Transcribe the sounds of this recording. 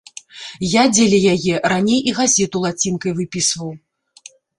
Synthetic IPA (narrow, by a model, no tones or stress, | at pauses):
jad͡zʲelʲɛjajɛranʲejʔiɣazʲɛt̪ulˠat͡sʲinkɐjvɨpʲisvɐw